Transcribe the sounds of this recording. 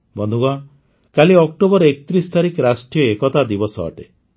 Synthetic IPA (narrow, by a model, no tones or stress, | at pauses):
bɔnd̪ʱuɡɔɽ̃ | kaliɔk̚ʈobɔɾɔekɔt̪ɾist̪aɾikɾasʈijɔekɔt̪ad̪ibɔsɔ̰ɔ̰ʈḛ